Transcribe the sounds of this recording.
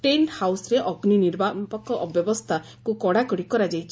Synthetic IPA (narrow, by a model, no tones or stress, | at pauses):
ʈenhawsɔɾeʔɔɡniniɾbapɔkːɔʔbjɔbɔst̪ʰa | kukɔɽakɔɽikɔɾad͡ʒajt͡ʃʰ